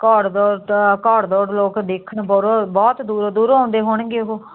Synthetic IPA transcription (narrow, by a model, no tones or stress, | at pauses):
kɔːɽd̪ɔːɾkɔːɽd̪ɔːɾloːkd̪eːkʰəɳbɔːɾobɔːt̪d̪uːɾod̪uːɾãːnd̪eːɦoɳɡeːɦo